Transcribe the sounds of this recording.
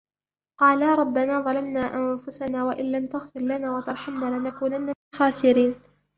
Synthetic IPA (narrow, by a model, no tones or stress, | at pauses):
qɑːlaːɾˤɑbːanaːðˤɑlamnaːʔanfʊsanaːwaʔɪnlamt̪aɣfɪɾlanaːwat̪ɑɾˤħamnaːlɪnakuːnanːaɪxaːsɪɾiːn